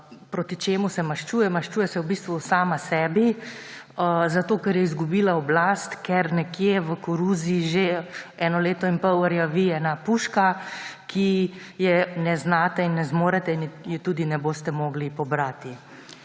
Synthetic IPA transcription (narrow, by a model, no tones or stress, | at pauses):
pɾoːt̪it͡ʃeːmusɛmaʃt͡ʃuːjɛmaʃt͡ʃuːjɛsɛwbiːst̪ʋusaːmasɛːbi | zat̪oːkɛɾjɛizɡubiːlaɔblast̪kɛɾnɛkjeʋəkɔɾuːziːʒeɛːnɔleːt̪ɔinpɔwəɾjaʋiɛːnapuːʃkakʰijɛnɛznaːt̪ɛinːɛzmoːɾɛt̪ɛinjit̪uːd̪inɛboːst̪ɛmoːɡlipɔbɾat̪i